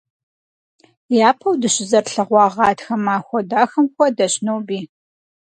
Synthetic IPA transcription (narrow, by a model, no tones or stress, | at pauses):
jaːpʰɐwdɨɕɪzɐrɬɐʁʷɑːʁɑːtxɐmaːxʷɔdaːxɐmkʷɔdɐɕnowbiː